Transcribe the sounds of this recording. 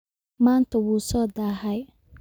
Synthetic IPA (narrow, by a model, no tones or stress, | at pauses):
maːnt̪ʰɐwuːsɔːd̪aɦɛj